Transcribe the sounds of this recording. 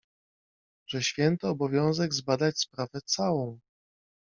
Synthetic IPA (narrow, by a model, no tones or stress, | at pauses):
ʐ̥ɛɕfʲjɛnt̪ɔːbɔvʲjɔ̃w̃zɛɡzbad̪at͡ɕspɾavɛt̪sawɔ̃w̃